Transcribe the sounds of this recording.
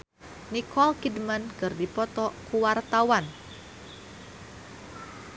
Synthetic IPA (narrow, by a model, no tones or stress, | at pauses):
nikɔlkidmənkɨrdipɔt̪ɔkuwart̪awan